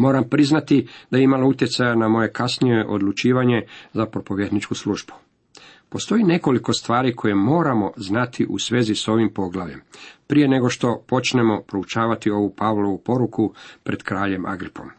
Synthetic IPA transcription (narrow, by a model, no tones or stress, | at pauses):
mo̞ːɾampɾiznat̪id̪ajeimalout̪je̞t̪sajanamo̞je̞kasnije̞ʔo̞d̪lut͡ʃiːʋaɲe̞zapɾopo̞ʋjed̪nit͡ʃkusluʒbu̥ | po̞st̪o̞jine̞ko̞liko̞st̪ʋaːɾikʰo̞jemo̞ːɾamo̞znat̪ʰiʔṵsʋe̞ːziso̞ʋimpo̞ɡlˠaʋʎe̞mpɾije̞ne̞ɡo̞ʃt̪o̞po̞t͡ʃne̞mo̞pɾo̞ut͡ʃaːʋat̪io̞ʋupaʋlˠo̞ʋupo̞ɾukupɾe̞d̪kɾaːʎe̞mʔa̰ɡɾipo̞̰m